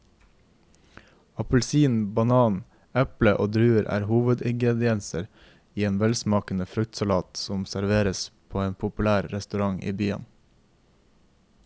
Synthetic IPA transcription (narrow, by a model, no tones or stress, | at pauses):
ɑpʉlsiːnbɑnɑːn | ɛpləʔoːd̪ɾʉːəɾʔæ̰ːɾhuːʋəd̪ɪŋɡɾɛd̪ɪɛnsəɾ | iːeːnʋɛlsmɑːkənəfɾʉk̚t̪sɑlɑːt̪sɔmsæɾʋeːɾəspʰoːeːnpʰʊpʉlæːɾɾɛst̪ʉɾɑŋḭːbyːə̰n